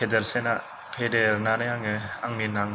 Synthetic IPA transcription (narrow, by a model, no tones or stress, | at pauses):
edeɾsena | pʰedeɾnanajaŋɯaŋninaŋ